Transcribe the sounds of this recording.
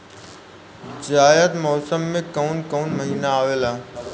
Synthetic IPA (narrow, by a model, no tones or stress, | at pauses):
d͡ʑaːjəd̪mɔːsəmːẽkɐunkoːnmɐɦiːnaaːʋeːlaː